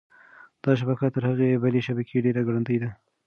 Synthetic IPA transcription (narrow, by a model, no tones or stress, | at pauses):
d̪̥ɑʃ̬abakat̪əɾhaɣebaleʃabakʰeɖeɾaɡɽand̪əjd̪a